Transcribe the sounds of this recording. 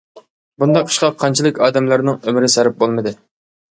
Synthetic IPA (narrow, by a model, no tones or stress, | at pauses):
bund̪ɑqʰːə̥ʃqɑqʰːɑnt͡ʃʰilˠɨkʲɑːd̪ɛmlæɾnɪŋømɪɾɪsæɾɪp̚bolˠmɨd̪ɨ